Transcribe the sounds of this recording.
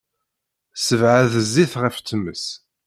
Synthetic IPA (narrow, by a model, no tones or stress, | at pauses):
səvʕaðəzːiθʁəft͡sːəmːəs